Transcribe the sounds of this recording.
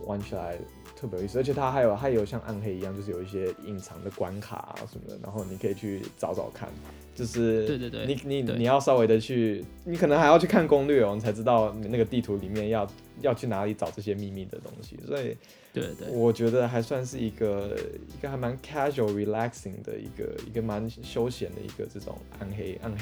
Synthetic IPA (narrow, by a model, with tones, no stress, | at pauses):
wʔa̰˧˥nt͡ɕʰi˨˩la̰˧˥ɪ | t̪ʰwə˥˩pjy˥˩s̩˥˨˧t͡ɕʰɛ˨˩˥t̪ʰa˥xa˧˥ɪjo˨˩ʊxa˧˥ɪjo˨˩ʊɕjɑ˥˧ŋʔa̰˥˧nxe˥˩ɪi˧˥jɑ˥˧ŋt͡ɕjo˥˧ʂɻ̩˥˩jo˨˩i˥˩ɕjɛ˥i˨˩ŋt͡sʰɑ˧˥ŋd̪ə˨kwa˦nkʰa̰˨˩˦ʂə˧˥nmə̰˧˩d̪ə̰˧ɻa̰˧˥xo˥˩ʊni˨˩kʰɤ˧˥i˨˩t͡ɕʰy˥˩t͡sɑ˧˥ʊt͡sɑ̰˨˩ʊkʰa̰˥˩n | t͡ɕjo˥˧ʊʂɻ̩˥˩˧ni˨˥ni˨˥ni˨˩jɑ˥˩ʊsɑ˥ʊwe˧˥ɪd̪ə˧t͡ɕʰy˥˧ | ni˧˥kʰɤ˨˩n˧ŋxa˧˥ɪjʊt͡ɕʰy˥˩kʰa˥˩nkʊ˥ŋli˥˩ɔ˨ni˨˩t͡sʰa˧˥ɪʈ͡ʂɻ̩˥t̪ɑ˥˩ʊni˨˩na˥˩ɡə˩t̪i˥˩t̪ʰu˧˥li˨˩mjɛ˥˧njɑ˥˧ʊ | jɑ˥˧ʊt͡ɕʰy˥˩na˧˥li˨˧˥ʈ͡ʂɑ˨˩ʊʈ͡ʂɤ˥˩ɕ̬jɛ˥mi˥˧mi˥˩d̪ə̰˩t̪o̰˥ŋɕḭ˨swɔ˧˥i˨˩ | e˥wɔ˨˩t͡ɕɥɛ˧˥d̪ə˧xa˧˥ɪswa˥˧nʂ̬ɻ̩˥˩i˧˥ɡə˧i˧˥ɡə˨xa˧˥ɪma˧˥nkʰɛ˥ʂu˨˩ɹi˨˧˥læ˥ksi˨˩ŋd̪ə̰˩ḭ˧˥ɡə̰˧˩ḭ˧˥ɡə˧ma˧˦nɕjo˥ʊɕjɛ˨˥nd̪ə̰˧ḭ˧˥ɡə̰˧ʈ͡ʂɤ˥˩ʈ͡ʂʊ̰˨˩ŋa̰˥˩nxe˥ɪa˥nx